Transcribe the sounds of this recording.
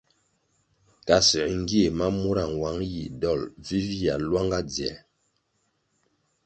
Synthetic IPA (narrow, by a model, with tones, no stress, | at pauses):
ka˨si˨ŋ˦ɡi˦e˨ma˦mu˦ɾa˨ŋ˨wa˨˦ŋji˨dɔ˦˨lvi˦vja˨lwa˦ŋɡa˦d͡zjɛ̰˨˦